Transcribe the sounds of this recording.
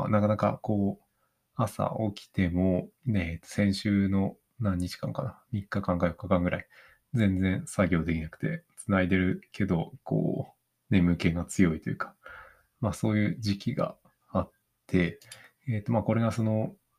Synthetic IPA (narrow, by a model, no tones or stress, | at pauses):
nakanaka̰ko̞ː | asa̰ʔo̞kʲi̥t̪e̞mo̞net̪ːo̥sẽ̞ɰ̃ɕɨːno̞ | nãɲ̟ːit͡ɕi̥kã̰ŋkanamʲikːakãŋkajo̞kːakãŋɡɯ̟ɾʔai | d͡zẽ̞nd͡zẽ̞ɰ̃saɡʲo̞ːd̪ekʲinakɯ̟̥t̪e̞t͡sɨnaid̪e̞ɾɯ̟kʰe̞d̪o̞ko̰ː | ne̞mɯ̟ke̞ɡat͡sɨjo̞it̪o̞jɯ̟kʰḁ | maso̞ːjɯ̟ːd͡ʑikʲiɡa̰ | at̪ʰːe̞ | et̪ːo̞mako̞ɾe̞ɡaso̞no̞